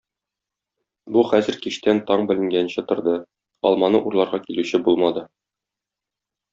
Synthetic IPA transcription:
buχæzɘ̆ɾkiʃt̪ænt̪ɒɴbɘ̆lɘ̆ŋɡænɕɘt̪ŏɾd̪ɤ | ɒ̰lˠmɑnɤʔuɾlˠɑɾʁɑkilʉɕɘbulˠmɑd̪ɤ

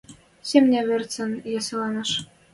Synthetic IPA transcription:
semnʲæβɘ̆rt͡sɤ̆njɑsɤ̆lɑnɤ̆ʃ

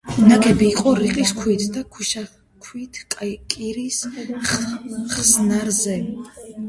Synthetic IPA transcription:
naɡʰɛbiːqʼɔɾiqʼiskʰwit̪ʰd̪akʰuʃa | kʰwit̪ʰkʼkʼiɾis | χsnaɾzɛ

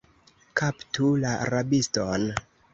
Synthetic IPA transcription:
kaptulaa̰ɾabiston

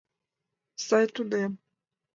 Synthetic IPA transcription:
sajtud̪ɛm

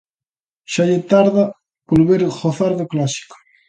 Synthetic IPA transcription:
ʃaʎet̪aɾða | polβeɾɣoθaɾðoklasi̥ko̥

